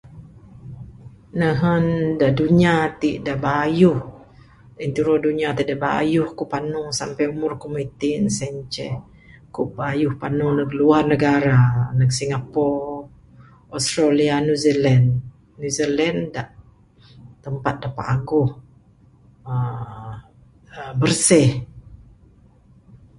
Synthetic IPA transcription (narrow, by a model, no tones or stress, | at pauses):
nəɦəndaʔduɲat̪iʔdaʔbajuh | int̪iɾɔduɲat̪iʔdabajuhkuʔpanusampajumʊrkumit̪insɛɲt͡ʃɛ̰h | kuʔbaːjʊhpanunəɡəluarnəɡaɾanək̚siŋapɔr | ɔst̪ɾalianuzilanː | uzilɛndaʔ | t̪əmpat̪̚dapa̰ʔaɡʊh | ə | əbərsɛh